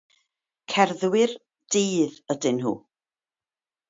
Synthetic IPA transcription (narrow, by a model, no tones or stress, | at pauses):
kʰɛrðwɪr | d̥iːðədɪnɦṵː